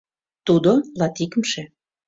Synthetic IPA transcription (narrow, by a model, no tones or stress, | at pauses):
t̪ud̪olɑt̪ikəmʃe